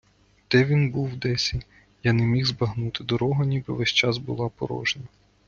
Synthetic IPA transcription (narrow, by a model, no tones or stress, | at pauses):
d̪ɛʋʲinbuwd̪ɛsʲi | janemʲixzbɐɦnut̪ɪd̪ɔɾɔɦɐnʲibɪʋɛsʲt͡ʃɑzbʊ̰lˠɑpɔ̰ɾɔ̰ʒenɐ